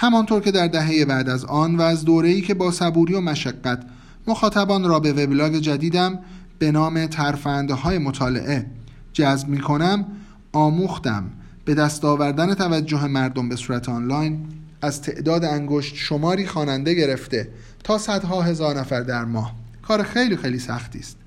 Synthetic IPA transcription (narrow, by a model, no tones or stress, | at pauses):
hæmɒnt̪ʰoɾcʰe̞d̪æɾd̪æɦe̞je̞bæʔd̪æzɒːnvæːzd̪oːɾe̞iːcʰe̞bɒːsæbuːɾiːo̞mæʃæɡːæt̪ʰ | mo̞xɒːt̪ʰæbɒːnɾɒːbe̞ve̞blɒːɡe̞d͡ʒæd̪iːd̪æm | b̥e̞nɒːme̞t̪ʰæɾfænd̪ɦɒːje̞mo̞t̪ʰɒːle̞̰ʔe̞ | d͡ʒæzbmiːkʰo̞næm | ɒːmuːxt̪æ̰m | b̥e̞d̪æst̪ɒːvæɾd̪æne̞t̪ʰævæd͡ʒːo̞ɦe̞mæɾd̪o̞mbe̞suːɾæt̪ʰeɒːnlɒːjn | æzt̪ʰe̞ʔd̪ɒːd̪eæŋɡoʃt̪ʃo̞mɒːɾiːxɒːnænd̪e̞ɟe̞ɾe̞ft̪e̞ | t̪ʰɒːsæd̪ɦɒːɦe̞zɒːɾnæfæɾd̪æɾmɒːh | kʰɒːɾexe̞jliːxe̞jliːsæxt̪ʰḭːst̪